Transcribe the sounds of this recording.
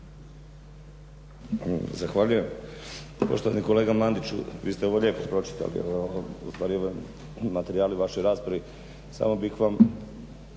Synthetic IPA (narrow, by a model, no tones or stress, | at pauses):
zaxʋaːʎuje̞m | poʃt̪oʋa̰niko̞le̞ːɡamlˠand̪it͡ʃṵʋiːst̪eo̞ʋo̞ʎe̞ːpopɾo̞t͡ʃi̥t̪a̰lḭṵst̪ʋaːɾioʋo | mat̪e̞ɾiaːliʋaʃo̞jɾaːspɾaʋi | sa̰ːmo̞bixʋam